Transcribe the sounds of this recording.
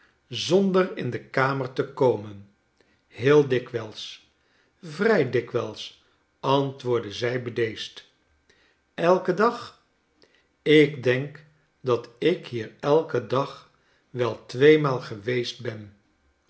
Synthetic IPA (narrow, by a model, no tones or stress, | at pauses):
zɔndərɪndəkaːməɹtəkowmən | ɦɪːlˠdɪkʋɛlˠs | vrɛjdɪkʋɛlˠs | ɑntʋʊːɹdəzɛjbədejst | ɛlˠkədɑχ | ɪkdɛŋk | dɑtɪkhiːɹɛlˠkədɑχ | ʋɛlˠtʋejmaːlˠχəʋejst̚bɛn